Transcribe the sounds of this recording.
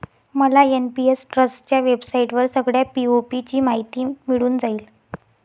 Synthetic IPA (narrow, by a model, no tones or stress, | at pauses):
məlaenpiesʈɾəst͡ɕjaʋebsaiʈʋəɾsəɡɽjapiopit͡ɕiːmaɦit̪iːmiɭuːnd͡zaiːl